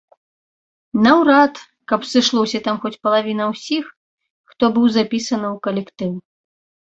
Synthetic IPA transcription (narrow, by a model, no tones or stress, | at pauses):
nɐwɾat̪ | kɐpsɨʂlˠɔwsʲɐt̪amxɔt͡sʲpɐlˠavʲinɐwsʲix | xt̪ɔbɨwzapʲisɐnɨwkɐlʲɛkt̪ɨw